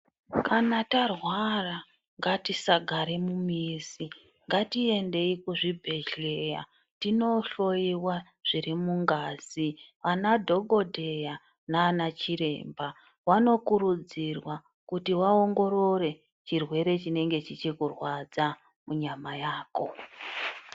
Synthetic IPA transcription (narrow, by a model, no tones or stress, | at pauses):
kanatarwara | ŋɡatisaɡʱaɾe̞mumisi | ŋɡatie̞nde̞ikuʐibʱe̞ʒe̞ja̰ | tino̞ɬo̞iwa | ʐ̥iɾimuŋɡaːz̥iʋanadʱo̞ɡʱo̞dʱe̞ja | naːnat͡ʃiɾe̞̰mba | wano̞kuɾud͡zirwa | kutiwao̞ŋɡo̞ɾo̞re̞ | t͡ʃirwe̞ɾe̞t͡ʃine̞ŋɡe̞t͡ʃit͡ʃikurwad͡za | muɲamajaːko̞